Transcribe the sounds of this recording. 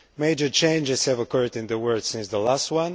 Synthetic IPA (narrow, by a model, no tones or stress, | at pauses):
meɪd͡ʒə˞t͡ʃẽɪ̃nd͡ʒɨz̥hɨvəkʰɜ˞dɪ̃nðəwɜ˞d̥sɪ̃nsðəlæst̚wʌ̃n